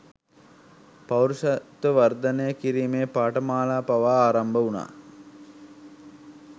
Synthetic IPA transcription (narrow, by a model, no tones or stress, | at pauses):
pɐwɾuʃat̪ːəʋɐrd̪ɐnejəkiɾiːmeːpaːʈəmaːlaːpaʋaːaːɾambəuna̰ː